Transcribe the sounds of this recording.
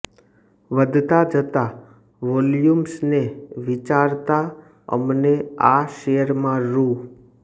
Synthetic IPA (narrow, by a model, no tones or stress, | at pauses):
ʋəd̪ʱt̪ad͡ʒət̪a | ʋɔljumsneʋɪt͡ʃaɾt̪a | ə̰mneaʃejəɾmãɾu